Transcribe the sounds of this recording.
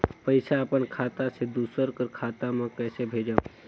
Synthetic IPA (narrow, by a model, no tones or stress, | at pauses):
pəɪsaəpənkʰaːt̪ased̪uːsəɾkəɾkʰaːt̪amẽkɛːsebʱed͡ʒa